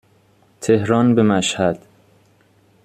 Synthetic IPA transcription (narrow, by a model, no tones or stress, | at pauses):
t̪ʰehɾɒːnbemæʃhæd̪̥